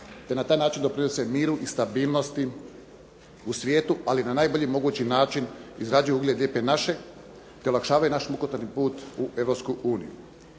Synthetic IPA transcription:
t̪e̞nat̪aːjnaːt͡ʃind̪o̞pɾinesemiːɾuʔist̪abiːlˠno̞st̪i | usʋje̞ːt̪uʔalinanaːjboʎimo̞ɡuːt͡ɕinaːt͡ʃinizɾad͡ʒujuuɡlʲed̪lʲjeːpenaʃe̞ | t̪eolakʃaːʋajunaʃmukot̪anipuːt̪uʔe̞ʋɾo̞pskuuːnḭju

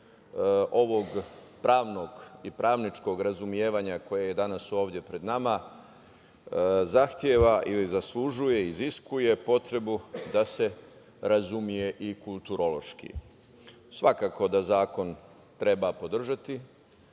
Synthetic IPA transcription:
ʔo̞ʋo̞ɡ | pɾʔaːʋno̞ɡipɾʔaːʋnit͡ʃko̞ɡɾazumje̞ːʋaɲako̞jeje̞d̪anaso̞ːʋd̪je̞pɾe̞d̪nama | zaxt̪je̞ʋaʔilizaslˠuʒuje̞iziskuje̞po̞t̪ɾe̞bud̪ase̞ | ɾazumije̞ʔikulˠt̪uɾo̞lˠo̞ʃkḭ | sʋakaːko̞d̪azaːko̞n | t̪ɾe̞bapo̞d̪r̩ʒat̪i

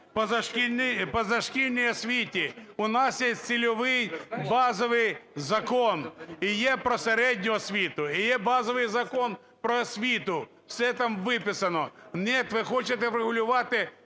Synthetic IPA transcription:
pɐzɐʂkʲinpɐzɐʂkʲilʲnʲɪjɐsʲʋʲitʲɪʊnasjesʲt̪sʲɪlʲʊʋɪjbazɔʋɨjzɐkonɪjepɾɐsɐɾʲedʲnʲʊɐsʲʋʲit̪ʊɪjebazəʋɨjzɐkon | pɾɐɐsʲʋʲit̪ʊ | fsʲɛt̪ɐmʋɪpʲɪsɐnɔnʲet̪ʋɪxot͡ʃɪt̪ɛvɾɪɣʊlʲʊʋat̪ɪ

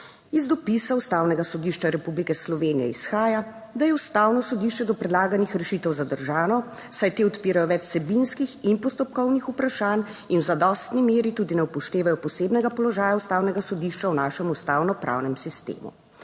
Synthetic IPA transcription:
izd̪ɔpisaust̪awnɛɡasɔd̪iʃt͡ʃaɾɛpublikɛslɔʋeːnijɛ̰isxaːja | d̪ajɛust̪aːwnɔsɔd̪iʃt͡ʃɛd̪ɔpɾɛd̪laːɡanixɾɛʃiːt̪ɛwzad̪əɾʒaːnɔ | sajt̪eːɔt̪piːɾajɔʋɛt͡ʃsɛbinskixinpɔst̪ɔp̚kɔwnixupɾaʃaːn | inwzad̪ɔst̪nimeːɾit̪uːd̪inɛwpɔʃt̪eːʋajɔpɔseːbnɛɡapɔlɔʒaːjaust̪aːwnɛɡasɔd̪iʃt͡ʃawnaːʃɛmust̪aːwnɔpɾʔa̰wnɛmsist̪ḛːmṵ

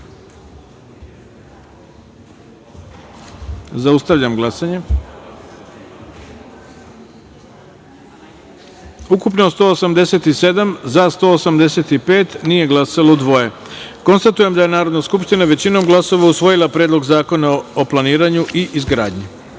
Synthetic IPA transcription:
zaust̪aʋʎamɡlˠasaɲe̞ | ukupnost̪o̞ːosamd̪e̞se̞t̪ise̞d̪amzast̪o̞ːosamd̪e̞se̞t̪ipe̞ːt̪nije̞ɡlˠasalo̞d̪ʋo̞je̞ | ko̞nst̪at̪uje̞md̪aje̞naːɾo̞d̪naskupʃt̪inaʋe̞t͡ɕino̞mɡlˠaso̞ʋausʋo̞jilˠapɾeːd̪lo̞ɡzaːko̞naoplˠaniːɾaɲuʔiʔizɡɾaːd̪ɲi

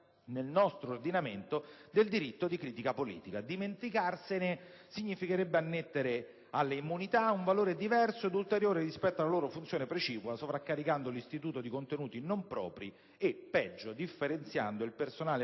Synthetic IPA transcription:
nelnɔst̪ɾoːrd̪inament̪od̪eld̪iɾit̪ːod̪ikɾiːt̪ikapolḭːt̪ikad̪iment̪ikarsene | siɲːifikeɾebːeanːet̪ːeɾe | alːeimːunit̪auɱvaloːɾed̪ivɛrsoed̪ult̪eɾjoːɾerispɛt̪ːoalːaloːɾofunt̪sjoːnepɾet͡ʃiːkwasovɾakːaɾikand̪olist̪it̪uːt̪od̪ikont̪enuːt̪inompɾɔ̰ːpɾi | epːɛd͡ʒːod̪ifːeɾent̪sja̰nd̪oilpersonaːle

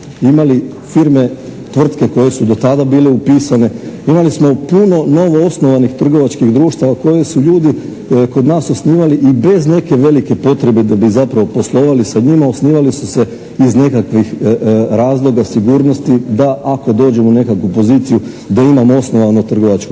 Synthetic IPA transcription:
imali | fiɾme̞t̪ʋr̩t̪ke̞ko̞je̞sud̪o̞t̪ad̪abiːle̞upiːsane̞imalismo̞puno̞no̞ʋo̞osno̞ʋanixt̪r̩ɡo̞ʋat͡ʃkiɣd̪ɾuːʃt̪aʋako̞je̞suʎuːd̪i | ko̞d̪naːso̞sniːʋaliʔibe̞zne̞ke̞ʋe̞like̞po̞t̪ɾe̞bed̪abizapɾaʋo̞po̞slˠo̞ːʋalisaɲimaosniːʋalisuse̞ | izne̞kakʋixɾaːzlˠo̞ɡasiɡuːɾno̞st̪id̪aʔako̞d̪o̞ːd͡ʑe̞mone̞kakʋupo̞ziːt̪siju | d̪aimamoo̞snoʋanot̪r̩ɡo̞ʋat͡ʃko

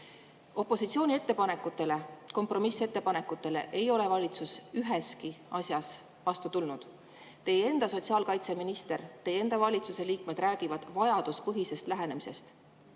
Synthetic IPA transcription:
o̞pːˑo̞sit̪sio̞ːnʲie̞t̪ːe̞pɑne̞kːˑut̪ːe̞le̞ko̞mpro̞mise̞t̪ːe̞pɑne̞kːˑut̪ːˑe̞le̞̰ʔejo̞le̞vɑlʲit̪susyɦe̞skiɑsjɑs | vɑst̪ut̪ulnud̪̥ | t̪e̞jee̞nd̪̥ɑso̞t̪siɑːlkɑjt̪se̞minist̪e̞ɾt̪e̞je̞nd̪̥ɑvɑlʲit̪suse̞liːkme̞d̪̥ræːɡ̥ivɑd̪̥vɑjɑd̪̥uspɤɦise̞st̪læɦe̞ne̞mise̞̰st̪

